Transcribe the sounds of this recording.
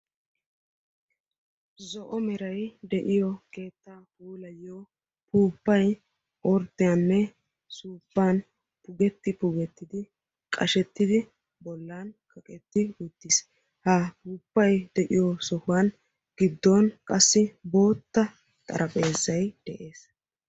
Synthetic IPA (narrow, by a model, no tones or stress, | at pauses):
zɔʔɔmɛɾɐjd̪ɛʔɪjɔke̞ːt̪ːaːhuːlɐjːoː | puːpːɐj | ɔɾt̪ːɪjɐnːɛ | suːpːaːn | pʊɡɛt̪ːɪpʊɡɛt̪ːɪd̪ɪ | kʼɐʃɛt̪ːɪd̪ɪ | bɔlːaːnkʰɐkʼɛt̪ːɪʊt̪ːɪs | hapuːpːɐjd̪ɛʔɪjɔsɔhʊwɐn | ɡ̥ɪd̪ːɔnkʼɐsːɪbo̞ːt̪ːɐ | t̪ʼɐ̰ɾʔɐpʼe̞ːzːɐjd̪̥ɛʔe̞ːs